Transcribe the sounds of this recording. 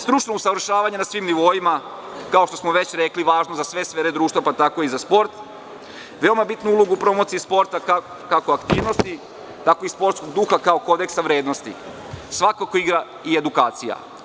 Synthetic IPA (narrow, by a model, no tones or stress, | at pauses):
st̪ɾut͡ʃno̞usaʋɾ̩ʃaːʋaɲe̞nasʋiːmniʋo̞ima | kao̞ʃt̪o̞smoʋe̞t͡ɕɾe̞kliʋaːʒnozasʋe̞sʋeːɾed̪ɾuːʃt̪ʋapat̪ako̞izaspo̞ɾt̪ | ʋe̞o̞mabit̪nuulˠoɡuːpɾo̞mo̞t̪siispo̞ɾt̪aka | kakoakt̪iːʋno̞st̪i | t̪ako̞ispo̞ɾt̪sko̞ɡd̪uːxakao̞ko̞d̪e̞ksaʋɾe̞ːd̪nost̪ḭ | sʋakakoiɡɾa | ie̞d̪ukaːt̪sija̰